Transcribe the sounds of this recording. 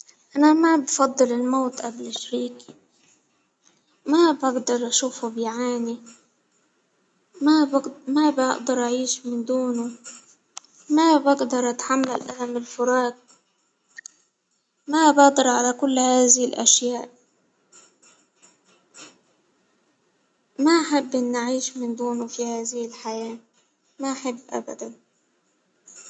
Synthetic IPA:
ʔanamabfɑd̪ˤːɨlɪlmoːt̪ʔablɪʃaɾiːki̥ | mabɪɡd̪ɑɾˤʔaʃuːfubɪjʕaːni | mamabɪʔd̪ɑɾˤʔaʕiːʃmɪnd̪uːnu | mabɪɡd̪ɑɾˤʔat̪ħamːalʔa̰hamɪlfʊɾɑːɡ̚ | mabɪʔd̪ˤɑɾʕalakʊlːhaːðɪhɪlʔa̰ʃjaːʔ | maʔaħɪbːʔɪnːaʕiːʃmɪnd̪uːnʊfihaːðɪhɪlħajaː | maʔaħɪbːʔa̰ba̰d̪an

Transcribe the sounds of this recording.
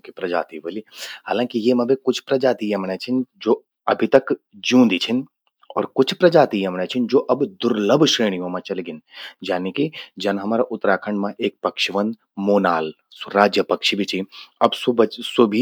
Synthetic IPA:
kipɾɐd͡ʒa̰ːt̪iʋɐliɦaːlãːkijemɐ̃bʱikʊt͡ʃʰpɾɐd͡ʒaːt̪ijɐmnɛt͡ʃʰind͡ʒoː | ɐbʱit̪ɐk | d͡ʒjũːd̪it͡ʃʰin | ɔ̰ːɾkʊt͡ʃʰpɾɐd͡ʒaːt̪ijɐmnɛt͡ʃʰind͡ʒoːʔɐbd̪ʊɾləbʱʃɾeːɽijõmãt͡ʃɐlɡɪnd͡ʒaːniːkid͡ʒɐnɦɐmaːɾaʔʊt̪ːɾaːkʰə̃ɳɖmãʔeːk̚pɐkʃiʋɐ̃nd̪ | moːnaːl | sɾaːd͡ʒjəpɐkʃibʱit͡ʃʰiɐbsʊbsʊbʱi

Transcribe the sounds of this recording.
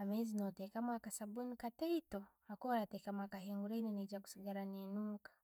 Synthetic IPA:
amɛzinɔtɛkamakasabunikatɛitɔ | akɔɾatɛkamakahɛŋɡuɾaininid͡ʒaku̥siɡaɾanenukḁ

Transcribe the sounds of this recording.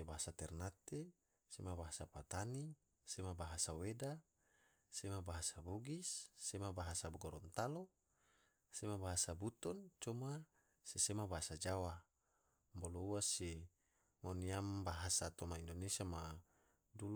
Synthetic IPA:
ebaɦasat̪ɛrnat̪e | semabaɦasapat̪ani | semabaɦasaweda | semabaɦasaboɡisːemabaɦasaɡɔɾɔnt̪alo | semabaɦasabut̪ɔnt͡ʃɔma | sesemabaɦasad͡ʒawa | mbolouwase | moniambaɦasat̪ɔmaindonesiama | dul

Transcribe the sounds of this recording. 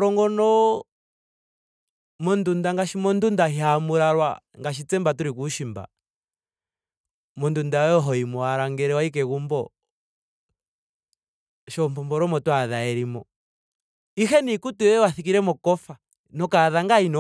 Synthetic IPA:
ɾɔŋɡɔnɔ | mɔndundaŋɡaʃimɔndundaɦiamuɾaɾwa̰ŋɡaʃit͡sɛmbatuɾikuʃimba̰ | mɔndundaɔɦɔimɔaɾaŋɡɛɾɛwaik̬ɛɣumbɔ | ʃɔmpɔmbɔɾɔmɔtwaðaɛɾimɔ | ixɛnikutuɛwaθik̬iɾɛmɔkɔfa | nɔkaðaŋɡainɔ

